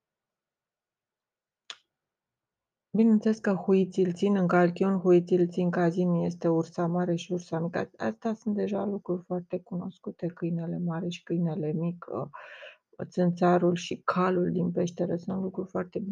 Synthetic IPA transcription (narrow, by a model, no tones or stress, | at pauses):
bine̞nsəle̞skəxuit̪silt̪sinɨŋkalkʲiunxuit̪silt̪siŋkazinje̞st̪e̞ursamaɾe̞ʃiursamikaast̪easunt̪̚d̪e̞ʒalukɾurʲfoart̪e̞kuno̞skut̪e̞kɨjne̞le̞maɾe̞ʃi̥kɨjne̞le̞mikə̰ | t̪sɨnt̪saɾulʃikʰaluld̪inpe̞ʃt̪e̞ɾesunt̪lukɾurfoart̪e̞bu